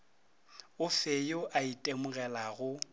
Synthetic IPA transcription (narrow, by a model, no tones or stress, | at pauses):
ʊfejoʔaitʼemʊɣɛlaɣʊ